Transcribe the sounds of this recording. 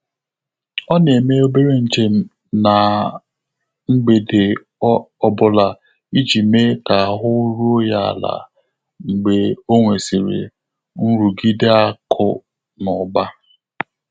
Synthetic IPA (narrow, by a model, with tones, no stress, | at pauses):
ɔ˦ne˨me˦o˦be˦ɾe˦n̩˨d͡ʒe˨m̩˦ | na˨ | ŋ͡m̩˦ɡ͡be˨de˨˦ | ɔ˦bʊ˨la˨ | i˦d͡ʒi˨me˦ka˨ɦʊ˦ɾu˦o˦ja˦a̰˨la̰˨ | ŋ͡m̩˨ɡ͡be˨o˦ŋʷe˨si˨ɾḛ˨ | ŋ̩˦ɾu˨ɡi˦de˦a˦kʰʊ̰˦ | nɔ˨ba˦